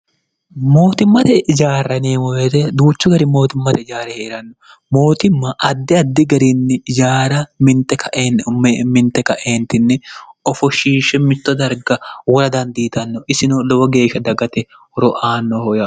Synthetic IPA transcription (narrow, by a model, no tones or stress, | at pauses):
mo̞ːt̪ɪmːɐt̪ɛd͡ʒaːɾːɐneːmɔwɛt̪ɛd̪uːt͡ʃːʊɡɐɾɪmo̞ːt̪ɪmːɐt̪ɛd͡ʒaːɾɛheːɾɐnːɔ | moːt̪ɪmːɐʔɐd̪ːɪɐd̪ːɪɡɐɾɪnːɛd͡ʒaːɾɐmɪnt̪ɛkʰɐʔ | mɪnt̪ːɛkɐʔeːnt̪ɪnːɛɔfɔʃiːʃɛmɪt̪ːɔd̪ɐɾɡɐwɔɾɐd̪ɐnd̪iːt̪ɐnːɔʔɪsɪnɔlɔwɔɡeːʃɐd̪ɐɡɐt̪ɛ | hɔɾɔʔaːnːɔhɔjɐ